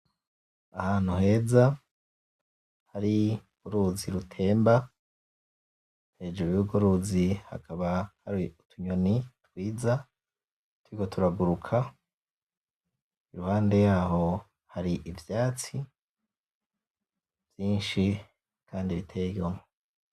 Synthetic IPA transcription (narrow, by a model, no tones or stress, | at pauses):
ahaːn̥huɦe̞ːza | haɾi | uɾuziɾutʰe̞ːmba | hed͡ʒuβiuɡoɾuziha̰kʰaβahaɾiutʰuɲo̞nitwiːza | twikotʰuɾaɡuɾukʰa | iɾuhaːnde̞jaːho̞ | haɾiʔivjaːt͡si | v̥jiːnʃi | kʰaːndiβitʰejomo